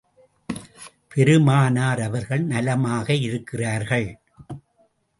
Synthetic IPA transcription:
pɛɾɯmaːnaːɾɐʋɐɾɣɐɭnɐlɐmaːɣɐɪɾɯkːɪraːɾɣɐɭ

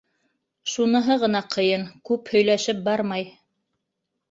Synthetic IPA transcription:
ʃunɤ̆ɦɤʁɤ̆nɑqʰɤ̆jɤŋkʉphɵ̆jlæʃɘp̚bɑɾmɑj

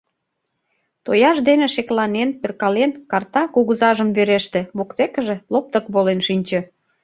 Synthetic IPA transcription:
t̪ojɑʃd̪enĕʃeklɑnenperkɑlenkɑrt̪ɑkuɣuzɑʒəmβeɾeʃt̪ĕβokt̪ekə̆ʒĕlop̚t̪ə̆kβolenʃinʲt͡ɕĕ

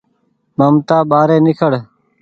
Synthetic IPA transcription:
məmt̪aːbaːɾeːnɪkʰəɽ

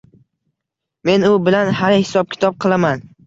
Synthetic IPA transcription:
me̞nʊbɪlanhaɾhɪsɒp̚kʲʰɪ̥t̪ʰɒp̚qʰɨlˠaman

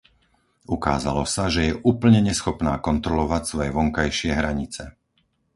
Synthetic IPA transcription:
ukaːza̰lɔsaʒɛjɛʔuːpl̩ɲɛɲɛsxɔpnaːkɔnt̪ɾɔlɔʋacsʋɔjɛʋɔŋkajʃɪɛɦɾaɲit͡sɛ

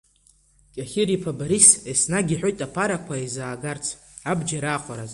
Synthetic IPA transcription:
kʲʼaχʲɪɾipʰabaɾisesnaɡʲiħʷᶣojtʼapʰaɾakʷʰaizaːɡart͡sʰ | abd͡ʒaɾaːχʷaɾaz

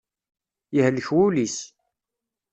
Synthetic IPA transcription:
jəhləçwulis

